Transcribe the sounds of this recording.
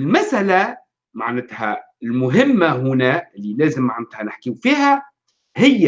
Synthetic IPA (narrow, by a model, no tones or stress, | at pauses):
lmasʔala | ma̰ʕnɪt̪ha̰ | ɪlmʊɦɪmːaɦʊnæɪlːileːzɪmːaʕnɪt̪hanɪħkiwfiːha | hɪjːa